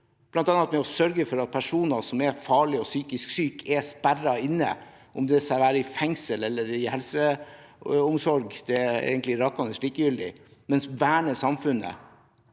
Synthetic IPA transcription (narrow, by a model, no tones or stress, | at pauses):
b̥lɑnt̪ɑnːɑt̪mɛɔsœɾɡəfɔɾɑt̪̚pʰæʂuːnɑsɔmɛfɑːɭɪɔsyːkɪsksyːkʰɛspærɑɪnːə̰ | ʔɔmd̪ɛskɑʋæːɾəɪfɛŋsəlɛlːəɾɪhɛlsə | ʊmsɔɾɡd̪̥ɛḛːɡənt̪lɪɾɑkːɑnəʂɭiːkəjʏld̪ɪ̰mɛnsʋæːɳəsɑmfʉnə̰